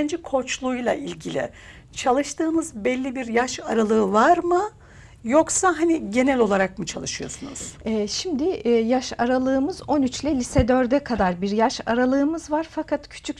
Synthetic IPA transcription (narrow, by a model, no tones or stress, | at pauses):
nd͡ʒikʰo̞t͡ʃlˠujlˠa̰ʔilʲɟilʲɪ̰ | t͡ʃʰalˠɯʃt̪ʰɯːnɯzbɛlʲːibiɾjaʃaɾalˠɯːvaɾmɯ | jo̞ksaɦaniɟe̞nɛlʲo̞lˠaɾak̚mut͡ʃʰalˠɯʃɯjo̞̰sunṵz̥ɛʃimd̪ɪjaʃaɾalˠɯːmɯzo̞nyt͡ʃlʲɛlʲisɛd̪øɾd̪ɛkʰad̪aɾbiɾjaʃa̰ɾalˠɯːmɯzvaɾ̥fakʰat̪cʰy̥t͡ʃʰyc